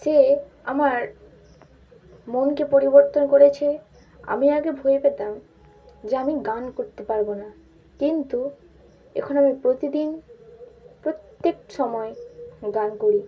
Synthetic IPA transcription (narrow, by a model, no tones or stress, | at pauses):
se | amaɾ | monkepoɾiboɾt̪onkoɾet͡ɕʰe | a̰miaɡebʱojepet̪am | d͡ʑeamiɡankoɾt̪epaɾbona | kint̪u | ɛ̰kʰonamipɾot̪id̪in | pɾot̪ːek̚ʃɔmɔeɡankoɾi